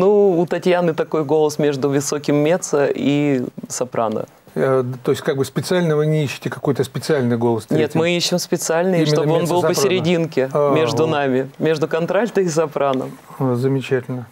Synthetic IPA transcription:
nuːt̪ɐtʲjanɨt̪ɐko̞jɡo̞lˠəsmʲe̞ʐd̪ʊvʲɨso̞kʲɪmːʲe̞t̪səʔisɐpɾʔa̰nə̰ | t̪o̞jɪsʲtʲkaɡ̚bɨspʲɪt̪sɨalʲnəvɨnʲɪiɕːɪ̥tʲɪkɐkojt̪əspʲɪt̪sɨalʲnɨjɡo̞lˠəst̪nʲet̪mɨiɕːɪmspʲɪt̪sɨalʲnɨʂt̪obɨo̞nbɨlpəsʲɪɾʲɪdʲinkʲɪmʲe̞ʐd̪ʊnamʲɪmʲe̞ʐd̪ʊkɐnt̪ɾalʲt̪əɪs̬ɐpɾanə̰m | zəmʲɪt͡ɕætʲɪlʲnə

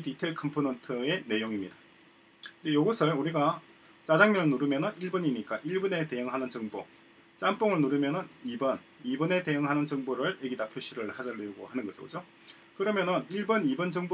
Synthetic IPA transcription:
ditʰeɭkʰɯmpʰonʌntʰɯe̞ne̞joŋimɲida | kɯd͡ʑejoɡʌsʰɯɭuɾiɡat͡ɕ͈ad͡ʑaŋmjʌŋɯɭnuɾɯmjʌnɯniɭbuɲiɲik͈aʔiɭbune̞te̞jʌŋɦanɯnd͡ʑʌŋbo̰ | t͡ɕ͈amp͈oŋɯɭnuɾɯmjʌnɯnibʌn | ibʌne̞te̞jʌŋɦanɯnd͡ʑʌŋboɾɯɭjeɡidapʰjoɕ͈ʰiɾɯɭhad͡ʑaɭːeuɡo̰hanɯnɡʌd͡ʑo̰kɯd͡ʑo | kɯɾʌmjʌnʌniɭbʌnibʌnd͡ʑɯŋbo

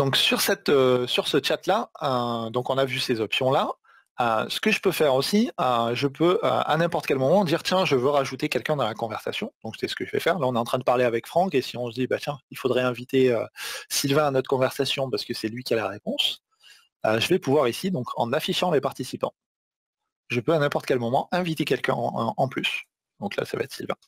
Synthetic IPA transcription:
d̪ɔ̃ksyʁsɛt̪øsyʁsət͡ʃat̪laød̪ɔ̃kɔ̃navysezɔpsjɔ̃la | øsə̥kəʒəpøfɛʁosiøʒəpøø̰a̰nɛ̃pɔʁt̪ə̥kʲɛlmɔmɑ̃d̪iʁt̪jɛ̃ʒəvøʁaʒut̪ekʲɛlkʲɛ̃d̪ɑ̃lakɔ̃vɛʁsasjɔ̃d̪̥ɔ̃ksɛsə̥kəʒəvɛ̰fɛʁlaɔ̃nɛɑ̃t̪χɛ̃d̪əpaʁleavɛkfχɑ̃kesiɔ̃səd̪ibat̪jɛ̃ilfod̪ʁɛɛ̃vit̪eøsilvɛ̃anɔt̪χə̥kɔ̃vɛʁsasjɔ̃paʁsə̥kəsɛlɥikʲialaʁepɔ̃s | øʒəvɛpuvwaʁisid̪ɔ̃kʰɑ̰̃nafiʃɑ̃lepaʁt̪isipɑ̃ | ʒəpøanɛ̃pɔʁt̪kʲɛlmɔmɑ̃ʔɛ̃vit̪ekʲɛlkʲɛ̰̃ɑ̃plys | d̪ɔ̃kla̰sa̰va̰ɛt̪χsilvɛ̃

